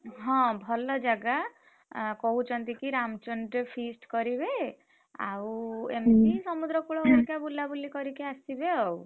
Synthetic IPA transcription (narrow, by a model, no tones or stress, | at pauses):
ɦɔ̃bʱɔlɔd͡ʒaɡa | kɔut͡ʃɔnt̪ikiɾamt͡ʃɔnɖɾepʰisʈkɔɾibe | a̰wemkisɔmud̪ɾɔkuɭɔɔɾikabulːabulikɔɾikeasibeɔw